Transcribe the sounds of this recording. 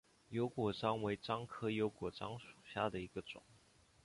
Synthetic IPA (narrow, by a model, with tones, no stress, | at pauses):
jo˧˥ʊkwɔ˨˩ʈ͡ʂɑ˥ŋwe˧˥ɪʈ͡ʂɑ˥ŋkʰɤ˥jo˧˥ʊkwɔ˨˩ʈ͡ʂɑ˥ŋʂu̥˨˩ɕja˥d̪ə˨i˧˥ɡ̥ə˧ʈ͡ʂʊ̰˨˩˦ŋ